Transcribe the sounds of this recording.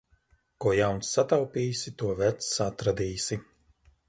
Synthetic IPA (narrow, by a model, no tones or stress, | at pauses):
kuɔjawnsːat̪awpʲiːsit̪uɔvɛt̪sat̪ɾad̪iːsi